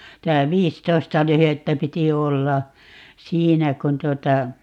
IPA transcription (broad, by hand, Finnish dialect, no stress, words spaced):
tæ ʋiːstoistɑ lyhetːæ piti olːɑ siːnæ kun tuotɑ